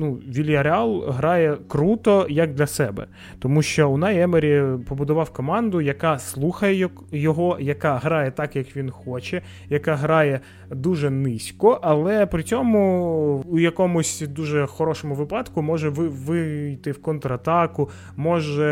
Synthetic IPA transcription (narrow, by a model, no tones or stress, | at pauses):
nuʋʲilʲjɐɾeɑlˠɦɾɑjɛkɾut̪ɔjɐɡ̚d̪lʲɐsɛbɛ̰ | t̪ɔmuʃt͡ʃɔʊnajɛmeɾʲipɔbʊd̪ʊʋɑwkɔmɑnd̪ʊjɐkɑslˠuxɐjɛjkjɔɦɔjɐkɑɦɾɑjɛt̪ɑkjɐkʋʲinxɔt͡ʃɛ | jɐkɑɦɾɑjɛ | d̪uʒɛnɪsʲkɔʔɐlˠɛpɾɪt͡sʲɔmʊʊjɐkɔmʊsʲd̪uʒɛxɔɾɔʃɔmʊʋɪpɑd̪kʊmɔʒɛʋɪʋɪjt̪ɪwkɔnt̪ɾɐt̪ɑkʊ | mɔʒɛ